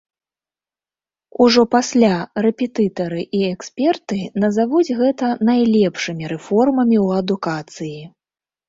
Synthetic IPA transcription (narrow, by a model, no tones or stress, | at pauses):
uʐɔpasʲlʲaɾɛpʲɛt̪ɨt̪ɐɾɨʔiɛksʲpʲɛrt̪ɨnɐzavud͡zʲɣɛt̪ɐnajlʲɛpʂɨmʲiɾɛfɔrmɐmʲiwɐd̪ukat̪sɨji